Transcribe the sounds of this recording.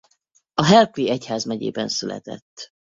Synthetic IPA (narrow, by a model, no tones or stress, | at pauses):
ɒɦɛlkliɛchaːzmɛɟḛːbɛnsylɛ̰t̪ɛ̰t̪ː